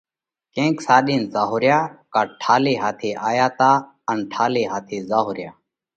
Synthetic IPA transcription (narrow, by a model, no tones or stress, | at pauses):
kẽːksaːɗiːnzaːɦoːɾjaːkaːʈʰaːleːɦaːt̪ʰeːʔaːjaːt̪aː | ənʈʰaːleːɦaːt̪ʰeːzaːɦoːɾɪjaː